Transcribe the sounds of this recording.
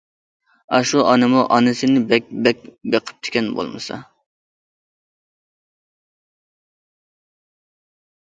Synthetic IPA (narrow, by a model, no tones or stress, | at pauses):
ɑʃuʔɑnɨmuʔɑnɪsɪnɪbɛk̚ʲbɛkʲbeqʰə̥p̚t̪ʰɪ̥kʲɛnbo̰lˠmɨ̰sɑ̰